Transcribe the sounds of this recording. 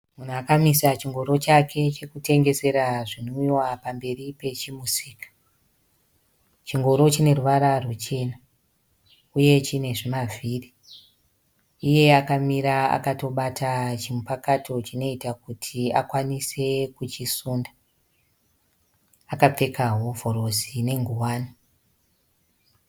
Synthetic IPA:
mun̤uakamisat͡ʃiŋɡo̞ɾo̞t͡ʃakʰe̞t͡ʃe̞kute̞ŋɡe̞se̞ɾaʐinoiwapambe̞ripe̞t͡ʃimusiːkḁ | t͡ʃiŋɡo̞ɾo̞t͡ʃine̞ruʋaɾarut͡ʃe̞ːna | uje̞t͡ʃine̞ʐimavʱiːri | uje̞akamiɾaa̰kato̞ɓatʰat͡ʃimupakatʰo̞t͡ʃino̞itakutʰiakwanise̞kut͡ʃisuːnda | akap͡fe̞kaɦo̞vʱo̞ɾo̞sine̞ŋɡuwaːni

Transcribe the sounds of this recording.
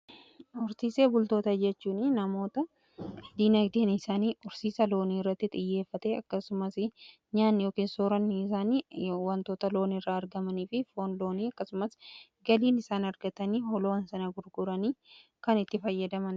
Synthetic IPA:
ʊɾsiːse̞ːbʊlt̪o̞ːt̪ɐd͡ʒɛt͡ʃːuːnɪnɐmo̞ːt̪ɐ | d̪iːnɐkt̪iːnɪsaːniːʊɾsiːsɐlo̞ːniːɪrːɐt̪ːɪt̪ʼɪjːe̞ːfːɐt̪eɐkːɐsʊmɐsɪ | ɲaːnːjoːkiːnsoːɾɐnːɪs̬aːniːwɐnt̪o̞ːt̪ɐlo̞ːnɪrːaɐɾɡɐmɐniːfɪfo̞ːnlo̞ːniːɐkːɐsʊmɐsɡɐliːnɪsaːnɐɾɡɐt̪ɐniːhɔloːnsɐnɐɡʊɾɡʊɾɐniː | kɐnɪt̪ːɪfɐjːɐd̪ɐmɐn

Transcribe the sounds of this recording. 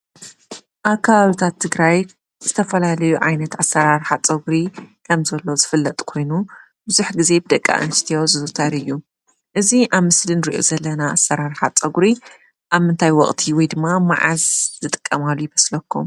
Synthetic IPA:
ʔaβkʰːɐβaβit̪ʰat̪ʰːɨɡɾaj | z̥ɨt̪ʰɐfɐlalɐjuʕajnɐt̪asɐɾaɾħat͡sʼɐɡɾikʰɐmzɐlːo̞zɨfɨlːɐt̪ʼkʰo̞jnu | bɨzuħɡize̞bɨd̪ɐkʼːa̰ʔɨ̰nʃt̪ʰijo̞zɨzt̪ʰaɾɨjːu | ʔɨziʔaβmɨslinɨɾiʔo̞̰zɐlːɐnaːsɐɾaɾħat͡sʼɐɡɾi | ʔaβmɨnt̪ʰajwɔχʼt̪ʰiwɔjd̪ɨmːama̰ʕa̰zzɨt̪ʼɨkʼːɐmalujɪβɐslɐkʰːum

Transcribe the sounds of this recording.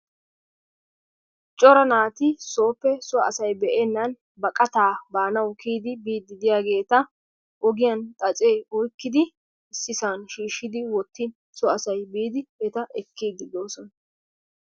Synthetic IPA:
t͡ʃʼɔɾɐnaːt̪ɪso̞ːpːɛsʊɐ̰sɐjbɛʔɛnːɐn | bɐkʼɐt̪aːbaːnɐwkiːd̪ɪbiːd̪ːɪd̪ɪjaːɡe̞ːt̪ɐ | ʔɔɡɪjɐnt̪ʼɐt͡sʼe̞ːɔjkːɪd̪ɪ | ɪsːɪsaːnʃiːʃːɪd̪ɪwɔt̪ːɪ | sʊɐsɐjbiːd̪ɪhɛt̪ɐʔɛkːiːd̪ːɪd̪o̞ːsɔnɐ

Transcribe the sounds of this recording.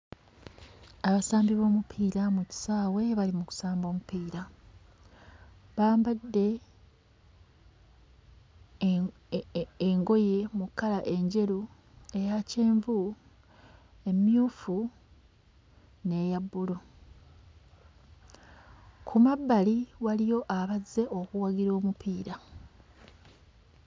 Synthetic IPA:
aβasaːmbiβo̞ːmupʰiːɾamuci̥saːwe̞βalimuku̥saːmbo̞ːmupʰiːɾa | βaːmbadːe̞ | ŋɡo̞je̞mukːalaʔe̞ɲɟe̞ɾu | e̞jace̞ːɱvu | e̞mjuːfu | ne̞ːjabːulu | kʰumabːaliwalijo̞ʔaβazːe̞ʔo̞kuwaɡiɾo̞ːmupʰiːɾa

